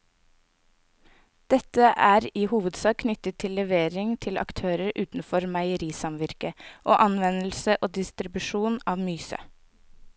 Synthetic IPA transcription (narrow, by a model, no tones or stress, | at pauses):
d̪̥ɛt̪əʔæːɾiːhuːʋəd̪sɑːkkʰnʏt̪ət̪ʰːɪlːɛʋeːɾɪŋt̪ʰɪlɑ̰kt̪ʰøːɾəɾʔʉːt̪n̩fɔɾmæɪəɾiːsɑmʋɪɾkəʔoːʔɑnʋɛnl̩səʔoːd̪ɪst̪ɾɪbʉʃuːnɑːʋmyːsə̰